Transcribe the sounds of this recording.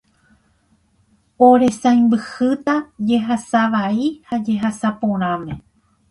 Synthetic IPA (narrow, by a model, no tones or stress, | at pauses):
oɾe̞sãj̃mbɨhɨt̪ad͡ʒe̞ɦasaʋaihad͡ʒe̞ɦasapõɾ̃ãmẽ̞